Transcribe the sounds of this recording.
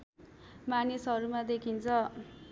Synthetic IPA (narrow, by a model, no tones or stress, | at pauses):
manisɦʌɾumad̪ekʰint͡sʰʌ